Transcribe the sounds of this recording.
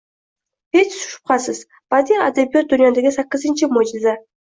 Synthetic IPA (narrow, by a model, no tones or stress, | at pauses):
het͡ʃsʊ̥ʃʊ̥p̚qɑsəz | b̥ad̪iad̪abijot̪̚d̪ʊnʲjad̪aɡʲɪsakːəzɨnt͡ʃɪmod͡ʒɪza